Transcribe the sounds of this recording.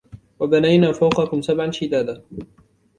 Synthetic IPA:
wabanajnaːfawqɑkʊmsabʕanʃɪd̪aːd̪a

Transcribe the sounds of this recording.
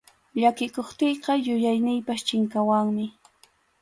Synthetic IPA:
ʎakɪkoχt̪ejqɑjʊjajnɪjpast͡ʃɪŋkawaŋmɪ

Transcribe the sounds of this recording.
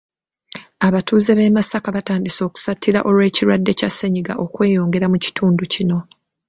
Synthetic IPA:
aβatuːzeβe̞masakaβataːndiso̞ːku̥satʰːiɾa̰ʔo̞lwe̞ːciɾwadːe̞casːeɲiɡa̰ʔo̞kwe̞ːjo̞ːŋɡe̞ɾamuci̥tʰuːnducino̞

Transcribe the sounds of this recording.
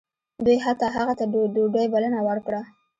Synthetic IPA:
d̪ujɦat̪ɑɦaɣat̪adoɖəjbalənawəɾkɽa

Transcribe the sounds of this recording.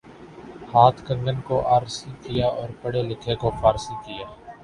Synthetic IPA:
haːt̪ʰkə̃ŋɡənkoʔaːɾsikɪjaːʔɔːɾpəɽelɪkʰekopʰaːɾsikɪjaː

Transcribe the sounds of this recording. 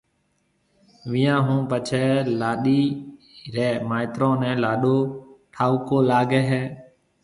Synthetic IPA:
ʋɪjãːɦũːpət͡ʃʰɛːlaːɗiː | ɾɛːmaːɪt̪ɾõːnɛ̃ːlaːɗoːʈʰaːukoːlaːɡɛːɦɛː

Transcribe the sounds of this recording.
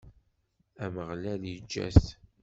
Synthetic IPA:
æməʁlæljid͡ʒːæ̰s

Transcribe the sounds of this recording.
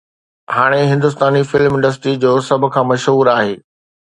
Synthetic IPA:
haːɽ̃eɦɪ̃nd̪ʊs̬t̪aːnifɪlmɪ̃ɳɖəs̬ʈɾid͡ʑoːsɐbʱʊ̆kʰãːmɐʃɦuːɾaːɦeː

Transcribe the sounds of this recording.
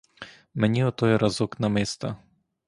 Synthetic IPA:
mɛnʲiɔt̪ɔjɛɾɐzɔknɐmɪst̪ɐ

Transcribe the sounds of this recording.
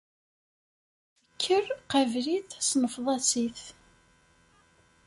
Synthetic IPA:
əkʰːərqævliθsnəfðˤɑsiθ

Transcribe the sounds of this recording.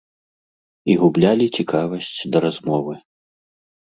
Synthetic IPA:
iɣublʲalʲit͡sʲikʰavɐsʲt͡sʲd̪ɐɾazmɔvɨ

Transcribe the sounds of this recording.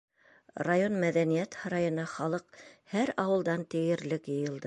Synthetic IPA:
rajo̞nmæðænijæt̪hɑɾɑjɤ̆nɑχɑlˠɤqhæɾɑwɤ̆lˠd̪ɑnt̪ɘ̆jɘ̆ɾlɘkjɤ̆jɤ̆lˠd̪ɤ

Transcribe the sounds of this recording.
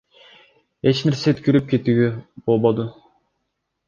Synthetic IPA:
et͡ʃneɾset̪kʲyɾyp̚kʲet̪yɡʲybolˠbod̪u

